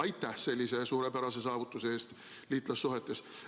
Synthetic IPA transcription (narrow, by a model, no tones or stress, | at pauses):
ɑjt̪ːˑæhse̞lʲːise̞suːɾe̞pæɾɑse̞sɑːvut̪ːˑuseeːst̪ | liːt̪ːˑlɑsːuɦe̞t̪ːˑe̞s